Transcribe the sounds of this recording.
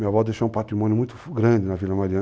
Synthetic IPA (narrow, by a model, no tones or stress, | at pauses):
mĩɐvɔd̪ejʃoũpat̪ɾimɔ̃njʊmũj̃t̪ʊ̥ɡɾɐ̃d͡ʒ̪ɪnɐvilɐmaɾiɐ̃